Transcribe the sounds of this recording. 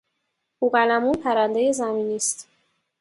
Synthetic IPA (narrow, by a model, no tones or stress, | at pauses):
ʔuːɢælæmunpʰæɾænd̪ejezæmiːniːst̪